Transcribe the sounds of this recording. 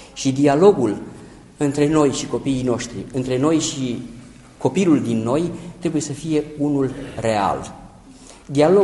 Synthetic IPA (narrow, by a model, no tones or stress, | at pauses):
ʃid̪ialo̞ɡul | ɨnt̪ɾe̞no̞jʃiko̞piːjno̞ʃt̪ɾḭɨnt̪ɾe̞no̞jʃi | ko̞piluld̪inːo̞jt̪ɾe̞buje̞səfije̞unulre̞a̰l | d̪ialo